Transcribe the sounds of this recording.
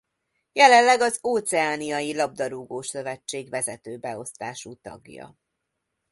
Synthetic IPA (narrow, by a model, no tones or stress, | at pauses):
jɛlɛllɛɡɒzoːt̪sɛaːnijɒjilɒb̚d̪ɒɾuɡoːʃø̞vɛt͡ʃːeːɡvɛzɛt̪øːbɛo̞st̪aːʃuːt̪ɒ̰ɡjɒ̰